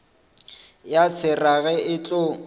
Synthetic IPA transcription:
jasɪraɣɛɪt͡ɬʼo

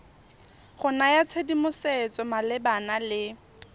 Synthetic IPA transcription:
χʊnajat͡sʰedimʊset͡sʼɔmalɪbanalɪ

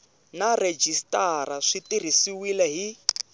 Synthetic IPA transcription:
nared͡ʒistaɾaʂitir̤isiwilɛɦi

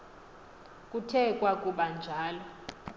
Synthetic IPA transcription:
kʼutʰɛkʼwakʼuɓand͡ʒʱaːlɔ

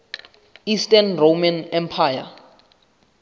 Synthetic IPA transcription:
istanrowmanɛmpʰaːja̰

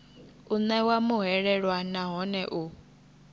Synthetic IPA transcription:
unɛwamuɦɛɺɛɺwanaɦɔnɛʔu

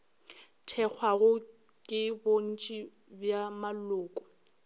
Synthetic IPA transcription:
tʰɛk͡xʰwaɣʊ | kʼɪbon̩t͡ʃʼi | bjamalʊːkʼɔ̥

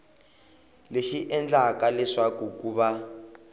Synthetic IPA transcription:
leʃiʔɛnd͡ɮakalɛʂakukuβa

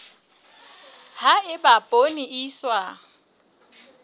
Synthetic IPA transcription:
haɪbapʼoniʔiswa

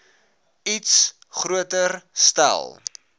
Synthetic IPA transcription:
its | χɾuətərstæ̰lˠ

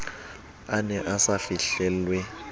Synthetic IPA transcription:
anɛʔasafiɬɛlwɛ

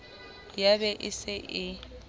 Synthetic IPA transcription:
jabɛʔɪsɪʔɪ

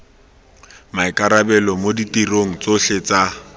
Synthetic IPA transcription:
maɪkʼaɾabɛlɔmoditiroŋ̩t͡soɬet͡sa

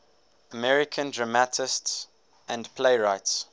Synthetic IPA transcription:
əmɛɹɪkʰə̃ndɹamatʰɪsts | ʔæ̃ndpʰleɪɹaɪts

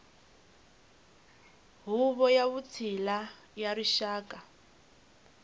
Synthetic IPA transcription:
ɦuβɔjaβut͡sʰila | jaɾiʃaːkʼa

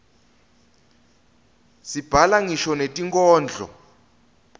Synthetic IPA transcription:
sib̥ʱalaŋiʃɔnetʼiŋkʼɔːnd͡ɮʱɔ̰

